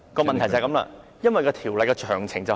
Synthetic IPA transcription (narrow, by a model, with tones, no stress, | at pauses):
kɔː˧mɐ˨nt̪ʰɐ˨˩jt͡sɐ˨kɐ˧˥mla̰ː˧ | jɐ˥nwɐ˨jkɔː˧t̪ʰiː˨˩wlɐ˨jkɔ˧t͡ʃʰœː˨˩ŋt͡sʰɪ˨˩ŋt͡sɐ˨